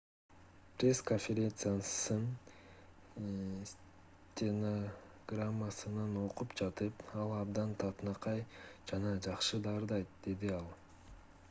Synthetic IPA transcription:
prʲe̞skonfʲeɾʲe̞nt̪sɨjasɯn | s | tʲeno | ɡ̥ramːasɯnɑno̞qupd͡ʒɑt̪ɯpɑlˠɑbd̪ɑnt̪ʰɑt̪nɑqɑjd͡ʒɑnɑd͡ʒɑqʃɯd̪ɑɾd̪ɑjt̪̚d̪e̞d̪iɑlˠ

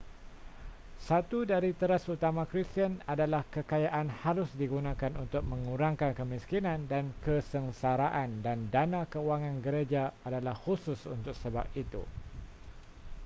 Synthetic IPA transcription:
sat̪udaɾit̪əɾasut̪amãkɾist̪ənadalahkəkajaʔanhaɾʊsdiɡunãkanunt̪ʊk̚mə̃ŋuɾaŋkankəmiskinãndankəsəŋsaɾaʔandandanãkəuaŋãnɡəɾed͡ʒaadalahhusʊsṵnt̪ʊk̚səba̰p̚it̪ṵ

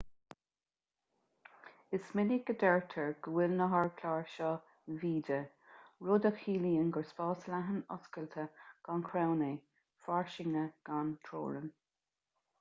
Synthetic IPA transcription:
ɪsmɪniɡ̥əd̪ɛɹt̪ʰəɹɡ̥əwɪlnəɦaɹkʰlaːɹʃɔː | viːdə | ɹʊd̪əkʰiːliːənɡəɹspɑːslaɦənɔ̰skəlt̪ʰəɡ̥ankʰɹawne | faɹʃɪŋəɡ̥ant̪ʰɾo̰ːɹən

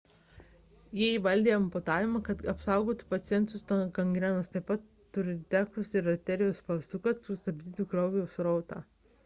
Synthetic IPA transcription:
jɛːiʋɐlʲd̪ʲeːɐmpʊt̪ɑːʋʲɪmɐkɐt̪ɐpsɑˑʊɡoːt̪ʊ̥pɐt̪sʲɪjɛnt̪ʊst̪ɐkɐŋɡɾʲɛnɐst̪ɐɪpɐt̪ːʊɾʲɪt̪ʲækʊsɪɾɐt̪ʲɛɾʲɪjɛʊspɐst̪ʊkɐt̪sʊst̪ɐbʲd̪ʲiːt̪ʲukɾɐʊʋʲɛɛʊsɾɔʊt̪ɑ̰ː

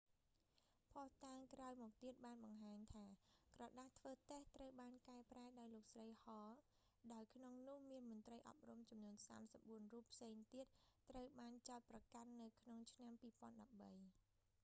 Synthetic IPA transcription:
pʰɑht̪aːŋkraɔjmɔːk̚t̪iət̪̚ɓaːnɓɑŋɦaːɲt̪ʰaːkrɑːɗat̪ʰʋəːt̪eht̪rəwɓaːnkaɛpraɛɗaɔjloːk̚srəjhɑː | ɗaɔjkʰnoŋnʊ̆əhmiənmʊ̆ənt̪rəjʔɑ̰p̚rumt͡ɕumnuənsa̰ːmsəp̚ɓuənruːpʰːseːŋt̪iət̪̚ːrəwɓaːnt͡ɕaɔt̪̚prɑkanːɨwkʰnoŋt͡ɕʰnampiːpŏənɗɑp̚ɓəj

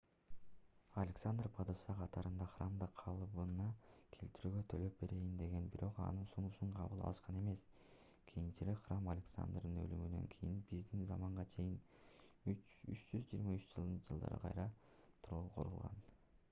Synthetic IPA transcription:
ɐlʲeksand̪rpʰɑd̪ɑsɑqʰɑt̪ɑɾɯnd̪ɑχramd̪ɑqʰɑlˠβɯnɑkʰe̞̰lt̪iɾyːɡø̞t̪ʰølø̞p̚be̞ɾejind̪e̞ɡe̞nbiɾʔo̞qɑ̰nɯnsunuʃuɴqʰɑβɯlˠɑ̰lˠɯʃqɑne̞me̞s | kʲʰijint͡ʃiɾekχramalʲeksa̰nd̪rd̪ɯnø̞̰lymynø̞̰ŋkʰijinbizd̪inzɑmɑɴʁɑt͡ʃʰe̞jin | yy̰t͡ʃd͡ʒyzd͡ʒiːɾmayt͡ʃd͡ʒɯlˠd̪ɯnd͡ʒɯlˠd̪ɑ̰ɾɯ̰qʰɑ̰jɾɑ | t̪ʰuɾolˠuqʰo̞̰ɾulˠʁɑ̰n

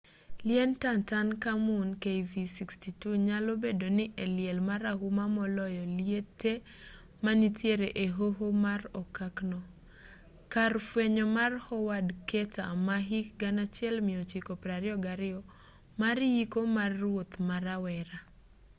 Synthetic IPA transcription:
lɪɛntantankamunkejvisikstituɲalobedonɪʔelɪɛlmaɾaɦumamɔlɔjɔlietʰe | manitjeɾeʔeɦoɦomarɔkaknɔ | karfweɲɔmarhɔwadketa̰maɦikɡanat͡ʃjɛlmɪot͡ʃikɔpɾaɾɪɔɡaɾɪɔ | maɾjikomarːwot̪maɾawɛɾa

